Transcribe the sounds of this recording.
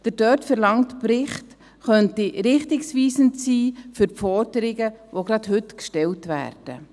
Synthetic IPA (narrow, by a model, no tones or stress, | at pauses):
d̥ədœtfɛɾlɑŋtprɪχt | χœntiɾɪχtɪksʋiːsənt͡siːfʏɾpfɔɾdəɾɪɡəʋoɡɾɑdhɵtkʃtɛltvæ̰ːrd̥ə